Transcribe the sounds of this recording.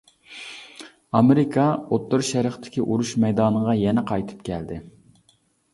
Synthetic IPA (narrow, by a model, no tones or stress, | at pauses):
ɑmɪɾɪkʰɑot̪ːʊɾʃɛɾəχt̪ʰɪ̥kʲiʔuɾuʃmɛjd̪ɑːnəʁɑjɛnɛqʰɑjt̪ʰɨ̥pkʲʰɛld̪ɪ